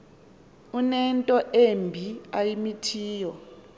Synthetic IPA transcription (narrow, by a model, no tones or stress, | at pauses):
unɛntʼɔʔembʱiajimitʰiːjɔ